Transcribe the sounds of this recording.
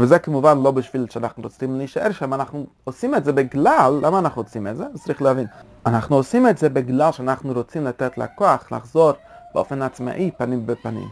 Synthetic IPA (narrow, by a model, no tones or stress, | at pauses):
vɪzɛkɪmuvanlˠobɪʃvilˠʃanaχn̩ɾot͡simnɪʃɛ̰ɾʃɛmanaχnu | osimɛtzɛbɪɡlˠalˠːʔamanaχn̩ot͡simɛtzɛt͡sɾiːχlavin | anaχnuosimɛtzɛbɪɡlˠalˠʃanaχnuɾot͡siːmlatɛtl̩ˠa̰kɔaχlˠa̰χzɔɾbɪɔ̰fɛnat͡sma̰ʔiːpaniːmvɪpanḭm